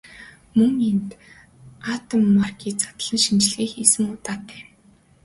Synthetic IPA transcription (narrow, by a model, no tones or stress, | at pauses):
mɵŋent̪ | aːt̪ə̆mːarɡʲiːt͡sḁt̪ə̆ɮə̆nʃint͡ɕɮiːxisɘ̆ŋʊt̪aːt̪æː